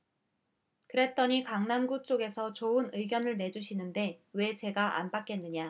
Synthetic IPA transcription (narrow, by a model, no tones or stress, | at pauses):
kɯɾe̞t͈ʌɲikaŋnamɡut͡ɕ͈oɡe̞sʰʌt͡ɕoɯnɯiɡjʌnɯɭne̞d͡ʑuɕʰinɯnde̞we̞t͡ɕe̞ɡaʔa̰nbak͈enːɯɲa